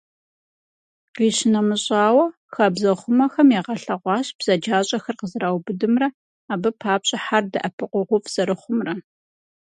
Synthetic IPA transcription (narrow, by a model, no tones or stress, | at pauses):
qiːɕɪnɐmɨɕʼɑːwɐ | xɐbzɐχʷʊmɐxɐmjɛːʁɐɬɐʁʷɑːɕb̥z̥ɐd͡ʒaːɕʼɐxɐrqəzɨraːwbɨdɨmrɐ | aːbɨpʰaːpɕʼɐħardɐʔɐpʰɨqʷʊʁʷʊfz̥ɐɾɨχʷʊmrɐ